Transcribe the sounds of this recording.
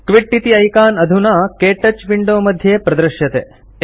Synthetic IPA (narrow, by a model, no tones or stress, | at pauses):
kʋiʈːit̪iɐjkaːnɐd̪ʱunaːkeːʈɐt͡ʃʋiɳɖoːmɐd̪ʱjeːpɾɐd̪ɾɐʃjɐt̪eː